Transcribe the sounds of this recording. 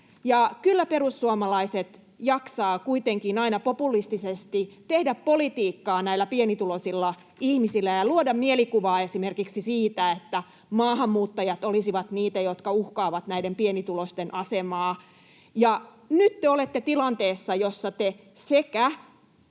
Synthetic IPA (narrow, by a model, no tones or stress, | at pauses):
jɑkylːæperusːuomɑlɑiset̪ | jɑksɑːkuit̪eŋkinɑinɑpopulist̪isest̪it̪ehdæppolit̪iːkːɑːnæilːˑæpienit̪ulosilːɑ | ihmisilːˑæjɑluodɑmmielikuʋɑːesimerkiksisiːt̪æet̪ːæ | mɑːhɑmːuːt̪ːɑjɑt̪olisiʋɑt̪niːt̪æjot̪kɑuhkɑːʋɑt̪næidempienit̪ulost̪enʔɑsemɑː | jɑ | nyt̪t̪eolet̪ːet̪ilɑnt̪eːsːɑjosːɑt̪e | sekæ